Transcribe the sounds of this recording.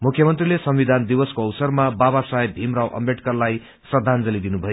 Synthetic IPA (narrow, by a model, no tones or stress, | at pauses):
mukʰːjʌmʌnt̪rilesʌmwid̪ʱand̪iwʌskoʌwsʌrmababasaebʱimrawʔʌ̰mbeʈkʌrlaj | sʌd̪ʱand͡zʌlid̪inubʱʌjo